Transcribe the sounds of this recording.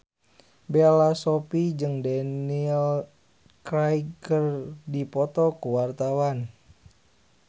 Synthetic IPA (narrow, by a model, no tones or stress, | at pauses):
bealasɔpid͡ʒɨŋdanil | kɾajkərdipɔt̪ɔkuwart̪awan